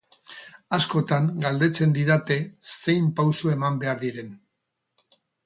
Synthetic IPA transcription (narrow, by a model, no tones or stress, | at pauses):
asko̞t̪aŋɡald̪e̞t͡se̞nd̪iðat̪e̞se̞jmpawsue̞mambe̞aɾðiɾe̞n